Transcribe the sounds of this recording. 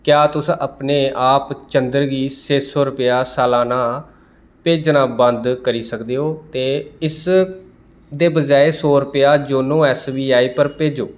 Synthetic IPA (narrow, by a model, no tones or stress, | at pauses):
kjaːt̪ʊsəpneːʔaːpt͡ʃənd̪əɾɡiːseːsoːɾʊpɪjaːsaːlaːnaː | peːd͡ʒnãːbənd̪kəɾiːsəkd̪eːɦoːt̪eːɪs | d̪eːbəd͡ʒaːeːsoːɾʊpjaːd͡ʒoːnõːɛːsbiːaːiːpəɾpeːd͡ʒoː